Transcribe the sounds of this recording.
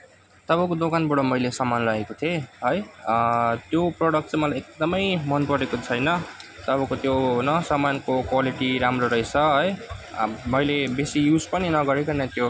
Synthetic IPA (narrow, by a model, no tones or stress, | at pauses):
t̪ʌbʌ̃kod̪okanbʌɽomʌjlesʌmanlʌekot̪ʰeɦʌj | t̪joproɽʌk̚ʈt͡sʌ̃j̃mʌlajek̚d̪ʌmʌjmʌnpʌɾekot͡sʰʌjnʌt̪ʌbʌ̃kot̪jonʌsʌmankokwaliʈiɾamroɾʌjt͡sʰʌɦʌj | mʌjlebesijud͡zpʌninʌɡʌɾekʌnat̪jo